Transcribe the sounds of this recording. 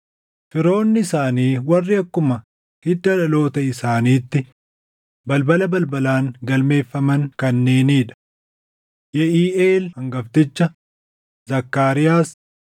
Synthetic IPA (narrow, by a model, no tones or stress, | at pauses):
fɪɾo̞ːnːɪɪsaːniːwɐrːɪɐkːʊmɐ | hɪd̪ːɐᶑɐlo̞ːt̪ɐɪsaːniːt̪ːɪ | bɐlbɐlɐbɐlbɐlaːŋɡɐlme̞ːfːɐmɐŋkɐnːe̞ːniːᶑɐ̥ | jɛʔiːʔeːlhɐŋɡɐft̪ɪt͡ʃːɐ | zɐkːaːɾɪjaːs